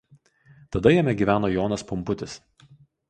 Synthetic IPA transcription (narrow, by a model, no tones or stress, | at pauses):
t̪ɐd̪ɐjɛmʲɛɡʲiːʋʲæːnoːjɔːnɐspʊmpʊt̪ʲɪs